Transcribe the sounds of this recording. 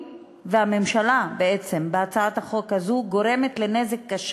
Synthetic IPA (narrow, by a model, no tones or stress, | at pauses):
vehame̞mʃalabeet͡sembeat͡saat̪haχo̞khazuɡo̞ɾe̞me̞t̪le̞ne̞zekːaʃ